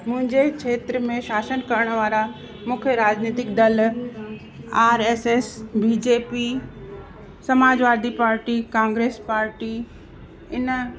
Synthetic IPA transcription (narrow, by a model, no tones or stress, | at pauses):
mʊ̃ɦɪ̃ɲd͡ʑekʰeːt̪ɾəmẽʃaːsənkɐɾəɽ̃ʋaːɾa | mʊkʰjəɾaːd͡ʑniːt̪ɪkd̪ɐl | aːɾeːsesbiːd͡ʑeːpi | sɐmaːd͡ʑʋaːɾd̪ʱipaːɾʈikãːŋɡɾeːspaːɾʈi | ɪn